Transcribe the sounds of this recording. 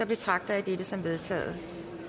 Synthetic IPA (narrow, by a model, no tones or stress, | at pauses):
ɒb̥e̝t͡sʰʁɑ̈ɡ̥̚d̥ɐæd̥eɾ̥əsɒ̽mʋe̝ð̞ˠt͡sʰɛ̰ːð̩ˠ